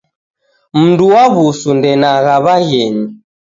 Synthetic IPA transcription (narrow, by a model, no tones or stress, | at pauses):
m̩nduwaβusundɛnaɣaβaɣɛɲi